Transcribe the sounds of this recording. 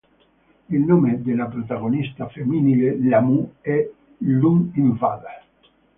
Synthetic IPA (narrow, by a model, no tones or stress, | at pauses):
ilnomed̪elapɾot̪aɣonist̪afeminilelamuɛ | luŋiɱva̰d̪a